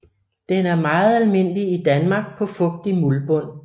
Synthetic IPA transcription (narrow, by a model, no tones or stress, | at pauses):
d̥enæɐmɑ̈ːð̩ˠælme̝n̰liid̥ænmɑ̈ːɡ̥̚pʰɒ̽fɔ̽ɡ̥̚d̥imulb̥ɔ̽n̰